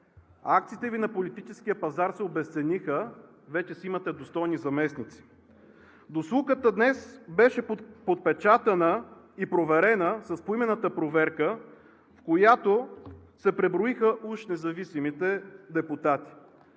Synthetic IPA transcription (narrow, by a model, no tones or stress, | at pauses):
akt̪siːt̪ɛvinɐpolit̪it͡ʃɛskijəpɐzaɾsɛobɛst̪sɛnixə | vɛt͡ʃɛsimɐt̪ɛd̪ost̪ɔjnizɐmɛsnit̪si̥ | d̪oslˠukət̪əd̪nɛsbɛʃɛpot̪̚pɛt͡ʃat̪ɐnə | ipɾovɛɾɛnəsɐspoimɛnət̪əpɾovɛɾkə | fkojat̪osɛpɾɛbɾoixəʔuʃnɛzɐvisimit̪ɛd̪ɛput̪at̪i̥